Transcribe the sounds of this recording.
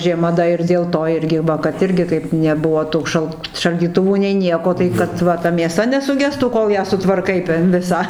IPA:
ʒʲiɛˈmɐ dɐ ɪr dʲeːlˠ ˈtoː ˈɪrʲɡʲɪ ˈʋɐ kɐt ˈɪrʲɡʲɪ kɐɪp nʲɛˈbʊʋoː ˈtuː ʃɐlˠ ʃɐlʲdʲiːˈtʊʋuː nʲɛɪ ˈnʲiɛkoː tɐɪ kɐt ˈʋɐ tɐ mʲeːˈsɐ nʲɛsʊˈɡʲæːstuː ˈkoːlˠ jæː sʊtʋɐrˈkɐɪ tʲɛn ˈʋʲɪsɑː

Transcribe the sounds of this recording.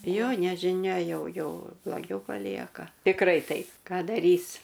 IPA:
ˈjoː nʲɛʒʲɪˈnʲɛ ˈjɛʊ ˈjoː blˠoːˈɡʲɛʊ pɐˈlʲiɛkɐ tʲɪkˈrɐɪ ˈtɐɪp ˈkɑː dɐˈrʲiːs

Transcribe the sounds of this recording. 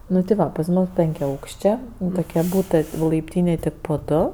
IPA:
ˈnʊ tɐɪ ˈʋɐ pɐs ˈmʊs pʲɛŋʲkʲɛˈɐʊkʃʲt͡ʃʲeː tʊˈkʲiɛ ˈbuːtɜ lˠɐɪpʲˈtʲiːnʲeːj ˈtʲɪk poː ˈdʊ

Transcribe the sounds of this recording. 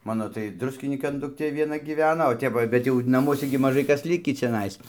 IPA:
ˈmɑːnoː tɐɪ ˈdrʊsʲkʲɪnʲiːkɐn dʊkˈtʲeː ʋʲiɛˈnɐ ɡʲiːˈʋʲæːnɐ oː ˈtʲɛp ʋɐ ˈjɛʊ ˈbʲɛt jɛʊ nɐˈmuɔsʲɛ ɡʲɪ mɐˈʒɐɪ ˈkɐs ˈlʲɪkʲiː t͡ʃʲɛˈnɐɪs

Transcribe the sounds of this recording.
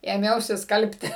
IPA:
eːˈmʲɛʊsʲɪ ˈskɐlʲpʲtʲɪ

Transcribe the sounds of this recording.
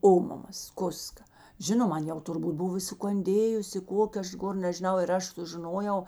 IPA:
ˈoːmɐmɐs ˈkʊskɐ ˈʒʲɪnoːm ˈɐn jɛʊ tʊrˈbuːt ˈbʊw ɪ sʊkɐnʲˈdʲeːjʊsʲɪ ˈkoːkʲeː ˈɐʃ ˈɡoːr nʲɛʒʲɪˈnɐʊ ɪr ˈɐʃ sʊʒʲɪˈnoːjɛʊ

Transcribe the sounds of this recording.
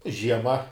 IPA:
ʒʲiɛˈmɐ

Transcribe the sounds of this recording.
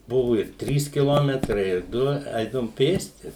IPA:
ˈbʊʋʊ ɪr ˈtʲrʲiːs kʲɪˈlˠoːmʲɛtrɐɪ ɪr ˈdʊ ˈɛɪdɐʋʊm ˈpʲeːsʲtʲɪ

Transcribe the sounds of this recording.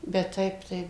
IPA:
bʲɛt ˈtɐɪp tɐɪ

